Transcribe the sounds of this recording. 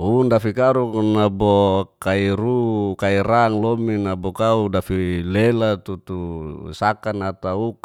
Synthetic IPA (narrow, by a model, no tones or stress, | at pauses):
undafikaɾuknabokaiɾukaiɾaŋlominabokaudafilelat̪ut̪usakanat̪auk